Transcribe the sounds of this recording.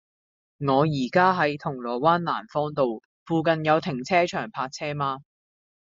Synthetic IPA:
ŋɔː˨˧jiː˨˩kaː˥ɦɐ˨˧˥jt̪ʰʊ˨˩ŋlɔː˨˩waː˥nla̰ː˨˩nfɔː˥ŋt̪o˨w | fuː˧kɐ˨njɐ˨˧wt̪ʰɪ˨˩ŋt͡sʰɛː˥t͡ʃʰœː˨˩ŋpʰaː˧t̚t͡sʰɛː˥maː˧

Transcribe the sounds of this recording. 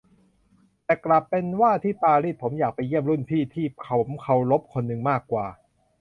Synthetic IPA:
t̪ɛː˨˩kla˨˩pːe˧nwaː˥˩t̪ʰiː˥˩paː˧ɾiː˥˩pʰo˩˦mjaː˨˩k̚pa˧jːi˥˩əmɾu˥˩npʰiː˥˩t̪ʰiː˥˩kʰa˧˨˩mkʰa˧wlo˦˥p̚kʰo˧nːɯ˨˧ŋmaː˥˩kːwaː˨˩

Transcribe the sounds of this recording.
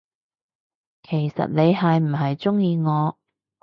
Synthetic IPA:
kʰe˨˩jsɐ̰˨t̚ne˨˧jɦɐ˨jm̩˨˩ɦɐ˨jt͡sʊ˥ŋjiː˧ŋɔː˨˧

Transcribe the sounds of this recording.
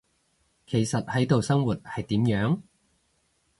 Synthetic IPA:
kʰe˨˩jsɐ˨t̚hɐ˨˥jt̪o˨wsɐ˥ŋwuː˨t̚hɐ˨jt̪iː˨˥mjœː˨˥ŋ

